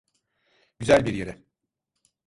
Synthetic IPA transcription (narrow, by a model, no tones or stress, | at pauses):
ɟ̥yzælʲbiɾjeɾɛ